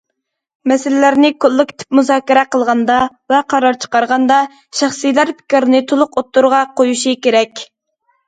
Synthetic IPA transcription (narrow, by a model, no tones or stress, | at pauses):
mɛsɪlɪlæɾnɪkʰʊlˠːɨkʲt̪ʰɪ̥pmuzɑːkʲiɾɛqəlˠʁɑnd̪ɑ | vɛqʰɑɾɑɾt͡ʃʰə̥qɑɾʁɑnd̪ɑ | ʃæχsijlæɾpʰɪ̥kʲɾnɪt̪ʰolˠʊqot̪ːuɾʁɑqʰojuʃikʲeɾɛkʲ